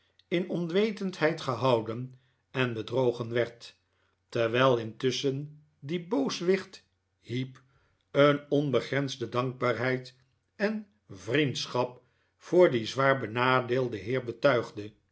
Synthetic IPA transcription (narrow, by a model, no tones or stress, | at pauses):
ɪnɔnʋejtəntɦɛjtχəɦɑwdən | ɛnbədrowχənʋɛɹt | tɛɹʋɛlˠɪntɵsən | dibowsʋɪχt | hip | ənɔnbəχrɛnzdədɑŋɡ̚baːɹɦɛjt | ɛn | vrintsχɑp̚ | fʊːɹdizʋaːɹbənaːdeːlˠdəɦɪːɹbətœɥχdə